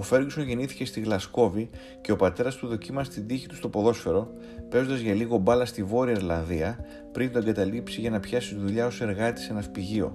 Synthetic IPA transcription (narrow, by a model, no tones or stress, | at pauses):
o̞fe̞ɾɡso̞nʝe̞niθi̥ce̞st̪iɣlɐsko̞vi | ce̞o̞pɐt̪e̞ɾɐst̪uðo̞cimɐst̪id̪içi̥t̪ust̪o̞po̞ðo̞sfe̞ɾo̞ | pe̞zo̞nd̪ɐzʝɐliɣo̞bɐlɐst̪ivo̞ɾiɐiɾlɐnðiɐ | pɾind̪o̞e̞ŋɡɐt̪ɐlipsiʝɐnɐpçɐsist̪ðuʎɐo̞se̞ɾɣɐt̪i̥se̞nɐfpiʝio̞̰